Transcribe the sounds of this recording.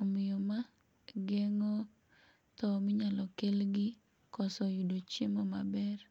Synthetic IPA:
ɔmɪjɔma | ɡɛŋɔ | t̪ɔmɪɲalɔkelɡɪ | kɔsɔjudot͡ʃjemɔmabɛr

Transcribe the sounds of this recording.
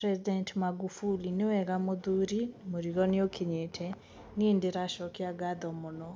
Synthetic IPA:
pɾɛzidɛntmaɡufulinewɛɣamoðuɾimoɾiɣɔneokʰeɲetʰɛ | ŋendeɾaʃɔkeaɡaðɔmɔnɔ

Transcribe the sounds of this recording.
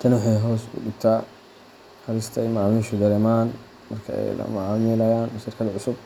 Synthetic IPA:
t̪ʰɐnwʊħɑjɦɔːsʊ̰ɖʊbt̪ʰaː | kɐɾɪst̪ʰɐmɑʕaːmɪʃʊd̪ɐlɛmaːn | mɐrkʰɐ̰ɛ̰jlɐ̰mɐʕɑːmɪlɐjaːnʃɪrkʰɐðɐʕʊsʊb̚

